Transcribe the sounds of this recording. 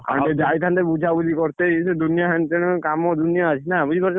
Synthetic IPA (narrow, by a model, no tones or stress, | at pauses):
ã̰ɖed͡ʒait̪ʰand̪eɾbud͡ʒʱabud͡ʒʱikɔɾt̪eised̪unijaɦant̪eɽ̃kamɔd̪unjaat͡ʃʰinabud͡ʒʱikɔɾt͡ʃ